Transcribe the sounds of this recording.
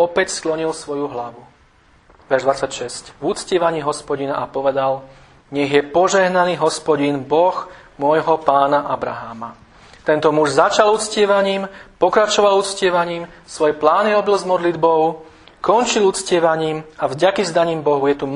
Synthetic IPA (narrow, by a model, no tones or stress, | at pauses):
ɔpɛcsklɔɲilsʋɔjuɦlaʋu | ʋɛɾʒd̪ʋat͡sacʃɛscvut͡scɪɛʋaɲiːɦɔspɔɟina̰ʔapɔʋɛd̪al | ɲɛɣjɛpɔʒɛɦnaniːɦɔspɔɟinbɔxmʊɔjɦɔpaːnaʔabɾa̰ɦaːma̰ | t̪ɛnt̪ɔmuʒzat͡ʃalut͡scɪɛʋaɲiːmpɔkɾat͡ʃɔʋalut͡scɪɛʋaɲiːm | sʋɔjɛplaːniɾɔbilzmɔd̪lid̪bɔʊ | kɔnt͡ʃilut͡scɪɛʋaɲiːmavɟakizd̪aɲiːmbɔɦujɛt̪u